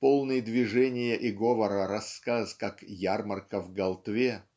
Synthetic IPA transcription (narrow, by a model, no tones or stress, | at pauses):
polˠnɨjd̪vʲɪʐɛnʲɪjəʔɪɡovəɾəɾɐskaskakjarmərkəvɡɐlˠt̪vʲe